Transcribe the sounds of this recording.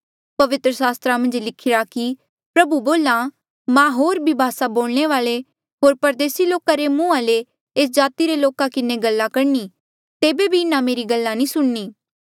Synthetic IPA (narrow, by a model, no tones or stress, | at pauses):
pɐʋɪt̪ɾəsaːst̪ɾamɐ̃nd͡ʒlɪkʰɪɾaki | pɾɐbuboːlã | mãɦoːɾbʱibʱaːsaboːɭneʋaːɭe | ɦoːɾpɐɾd̪eːsiloːkaɾemũːãle | eːsd͡ʒaːt̪iɾeloːkakɪneɡɐlːakɐɾni | t̪eːbebʱiɪnãmeːɾiɡɐlːãnĩsʊɽniː